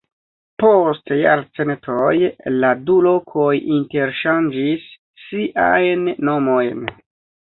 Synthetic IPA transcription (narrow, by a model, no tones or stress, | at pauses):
po̞stja̰ɾt͡senetʰojladulo̞kʰo̞jinte̞ɾʃand͡ʒisː | iʔajnːo̞mo̞jn